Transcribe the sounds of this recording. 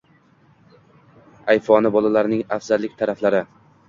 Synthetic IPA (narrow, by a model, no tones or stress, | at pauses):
ajfɒnɪbɒlalaɾnɪŋafz̥alːɪk̚ʲt̪ʰaɾaflaɾɪ